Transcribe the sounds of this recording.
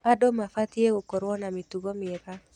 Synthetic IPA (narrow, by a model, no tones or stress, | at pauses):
adomafat̪ieokɔɾwɔnamit̪uɡomɪeka